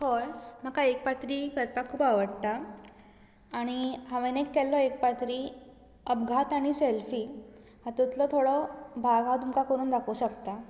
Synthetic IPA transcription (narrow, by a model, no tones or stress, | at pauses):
hojm̤əkaek̚pat̪ɾikəɾpakʰːuːpaʋəɽt̪a | ɽ̃iɦaʋenekːɛlːɔekpat̪ɾiː | əbɡʱat̪aɽ̃iselfiː | ɦat̪ut̪lət̪ʰoɽəbʱaɡɦat̪umkakəɾuːnd̪akʰoɕəkt̪a